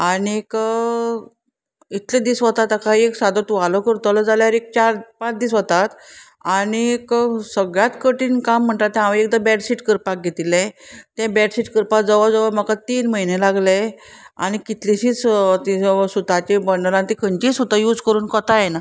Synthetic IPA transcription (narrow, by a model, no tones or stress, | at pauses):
aɽ̃ik | it̪led̪iːsʋət̪at̪akaɦieksad̪ət̪uʋalɔkəɾt̪əlɔd͡zaljaɾek̚t͡ɕaɾpãt͡sd̪iːsɔt̪at̪ | aɽ̃ieksəɡɭjat̪kəʈiːnkamːəɳʈ̪at̪ːẽɦãʋeek̚d̪abɛʈsiʈkəɾpak̚ɡʱet̪ilẽt̪ɛ̃bɛɖsiʈkəɾpad͡zəʋad͡zɔʋaməkat̪iːnməɦinelaɡlea̰ɽ̃ikit̪liɕiːt͡st̪isut̪at͡ɕebəɳɖəlãnt̪ikʰənt͡ɕiːsut̪ajuːd͡zkəɾuːnkət̪ajena